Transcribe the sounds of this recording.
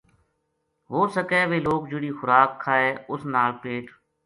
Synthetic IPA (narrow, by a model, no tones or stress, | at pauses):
ʋoːsəkeːʋeːloːk̚d͡ʒɪɽiːxʊɾaːkʰːaːeːʊsnaːlpeːʈ